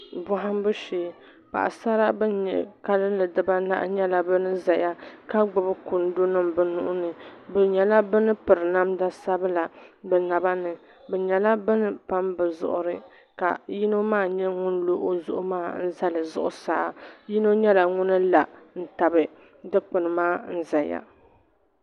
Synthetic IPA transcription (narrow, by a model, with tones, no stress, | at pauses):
bʊ˦ɦa˦m˦bɨ˦ʃeː˨ | pa̰˨ʔa̰˨sa˦ɾa˦bɛ˦ɲɛ̰˨ka˦lɨ˦lɨ˨dɨ˦ba˦na̰˦ʔɲɛ˦la˦bɨ˦nɨ˦za˨ja˦ka˦ɡ͡bʊ˨bɨ˦kʊ˨n˦do˦nɨ˦mbɨ˨nʊ̰˦ʔʊ˦nɨ˨bɨ˨ɲɛ˨la˦bɨ˦nɨ˦pɨ˨ɾɨ˨na˦mda˦sa˦bɨ˦la˨bɛ˨na˨ba˦nɨ˨ | bɛ˨ɲɛ˨la˦bɨ˦nɨ˦pa˦mbɨ˨zʊ̰˨ʔʊ˦ɾɨ˦ | ka̰˨ji˦no˦maː˦˨ɲɛ˦ŋʊ˦n˦lo˦ʔo˦zʊ̰˦ʔʊ˦maː˦n̩˦za˦lɨ˨zʊ̰˦ʔʊ˦saː˨˦ji˦no˦ɲɛ˦la˨ŋʊ˦nɨ˦la˨n̩˦ta˨bɨ˨ | dɨ˦k͡pɨ˨nɨ˨maː˦n̩˦za˨ja̰˦